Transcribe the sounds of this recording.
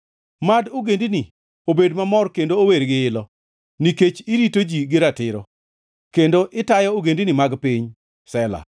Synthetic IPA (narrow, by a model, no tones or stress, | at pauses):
madoɡendini | obedmamɔrkendooweɾɡɪɪlɔ | niket͡ʃɪɾitod͡ʒiɡɪɾatɪɾɔ | kendoʔɪtajɔoɡendinimaɡpiɲ | sɛla̰